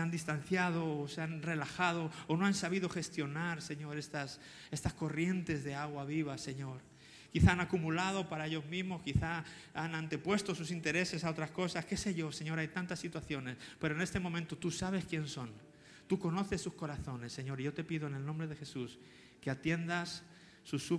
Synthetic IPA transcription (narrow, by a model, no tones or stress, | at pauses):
and̪ist̪an̟θjað̞o̞ːseanre̞laxað̞o̞ːno̞ansaβ̞iðo̞xe̞st̪jo̞naɾse̞ɲo̞ɾe̞st̪as | e̞st̪asko̞rje̞nt̪e̞zðe̞aɣ̞waβiβ̞ase̞ɲo̞ɾ | kiθaanakumulað̞o̞paɾae̞ʎo̞zmĩzmo̞skiθa | anant̪e̞pwe̞st̪o̞susint̪e̞ɾe̞se̞sao̞t̪ɾasko̞saske̞se̞ʝo̞se̞ɲo̞ɾajt̪ant̪asːit̪waθjo̞ne̞spe̞ɾoene̞st̪e̞mõmẽnt̪ot̪usaβ̞e̞skje̞nso̞n | t̪uko̞no̞θe̞sːusko̞ɾaθo̞ne̞sːe̞ɲo̞ɾiʝo̞t̪e̞piðoene̞lnõmbɾe̞ð̞e̞xe̞sus | ke̞at̪je̞nd̪asː | usu